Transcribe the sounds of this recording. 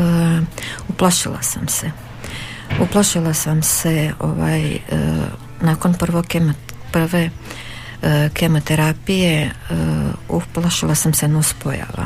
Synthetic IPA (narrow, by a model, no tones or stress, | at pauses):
uploʃilˠa̰samse | uplˠoʃilˠasamse̞o̰ʋa̰ːj | naːkonpr̩ʋokem | pr̩ʋe | kʰemot̪eɾapije̞ | uplaʃilˠasamsenauspoja̰ːʋa̰